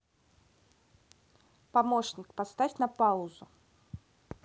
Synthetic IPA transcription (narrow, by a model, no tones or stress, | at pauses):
pɐmoɕnʲɪkpɐst̪afʲnɐpaʊzʊ